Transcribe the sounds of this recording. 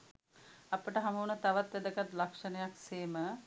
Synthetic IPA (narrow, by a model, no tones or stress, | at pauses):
apəʈəɦamuːnət̪aʋat̪ʋæd̪əkat̪lakʂənəjakseːmə